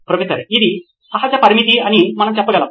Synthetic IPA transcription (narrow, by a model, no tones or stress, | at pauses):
pɾəʋet̪əɾeid̪i | aɦat͡ɕjapɐɾmit̪ianimənant͡ɕapːəɡɐla